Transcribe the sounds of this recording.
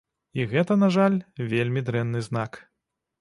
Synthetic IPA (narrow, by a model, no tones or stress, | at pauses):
iɣɛt̪ɐnaʐalʲvʲelʲmʲid̪ɾɛnːɨznak